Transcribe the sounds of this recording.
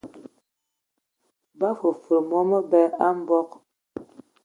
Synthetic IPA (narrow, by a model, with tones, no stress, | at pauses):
ba˦fo˨fə˨mɔ˦mə˦bɛ˦a˦m˦bɔ˦k̚